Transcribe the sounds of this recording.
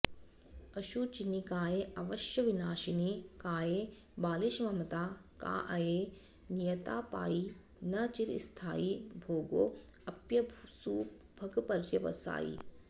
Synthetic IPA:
ɐʃut͡ʃinikaːjeːɐʋɐʃjɐʋinaːʃinikaːjeː | baːliʃʋɐmɐt̪aːka̰ːʔɐjeː | nijɐt̪aːpa̰ːji | nɐt͡ʃiɾḭst̪ʰa̰ːjibʱoːɡo̰ː | ɐpjɐsuː | bʱɐkpɐɾjɐʋɐ̰sa̰ːjḭ

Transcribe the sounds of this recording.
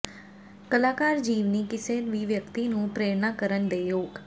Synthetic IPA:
kəlaːkaːɾd͡ʒiːʋniːkɪseːnʋiːʋjəkt̪iːnũːpɾeːɾnãːkəɾənd̪eːjoːɡ

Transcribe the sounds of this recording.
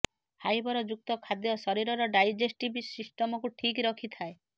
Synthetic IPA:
hajbɔɾɔd͡ʒuk̚t̪ɔkʰad̪jɔsɔɾiɾɔɾɔɖajd͡ʒesʈibisisʈɔmɔkuʈʰikɾɔkʰit̪ʰae

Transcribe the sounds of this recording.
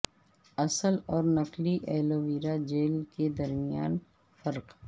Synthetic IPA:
ɐsəlɔːɾnɐkliʔɛːloːʋiːɾad͡ʒeːlked̪ɐɾmɪja̰ːn | fɐɾq

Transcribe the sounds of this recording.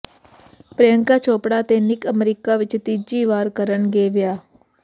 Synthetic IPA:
pɾəjəŋkaːt͡ʃʰoːpɽaːt̪eːnɪkəmɾiːkaːʋɪt͡ʃt̪iːd͡ʒiːʋaːɾkəɾənɡeːʋɪjaː

